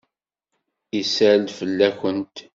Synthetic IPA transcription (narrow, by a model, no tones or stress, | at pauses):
isæɾd̪fəlːæçənt̪